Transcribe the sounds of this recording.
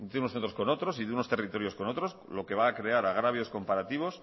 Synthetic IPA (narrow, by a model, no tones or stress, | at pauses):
d̪eunosθent̪ɾo̞sko̞no̞t̪ɾo̞siðeuno̞st̪erit̪o̞ɾjo̞sko̞not̪ɾo̞slo̞ke̞βaːkɾe̞aɾaɣ̞ɾaβjo̞sko̞mpaɾat̪iβ̞o̞s